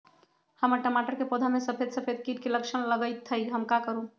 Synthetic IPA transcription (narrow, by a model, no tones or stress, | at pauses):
həməɾʈəmaʈəɾkepod̪ʱamesəpʰed̪səpʰed̪̚kit̪̚keləkʃʰənləɡət̪ʰːəjɡʱəmkakəɾũ